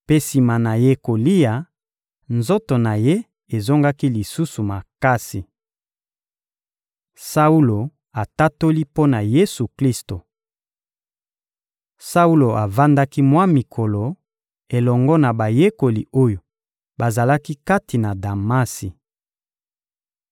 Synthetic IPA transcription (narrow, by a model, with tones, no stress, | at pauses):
pe˦si˨ma˨na˨je˦ko˨li˦ja˨ | nzo˦to˨na˨je˦ | e˨zo˦ŋɡa˦ki˦li˨su˦su˨ma˨ka˦si˨ | sa˦u˦lo˨ | a˨ta˦to˦li˦po˦na˨je˦su˨kli˦sto˨ | sa˦u˦lo˨ʔa˨va˦nda˦ki˦mwa˦mi˨kʰo˨lo˨ | e˨lɔ˨ŋɡɔ˦na˨ba˨je˦ko˨li˨o˦jo˨ | ba˨za˨la˦ki˦ka˦ti˨na˨da˨ma˦si˨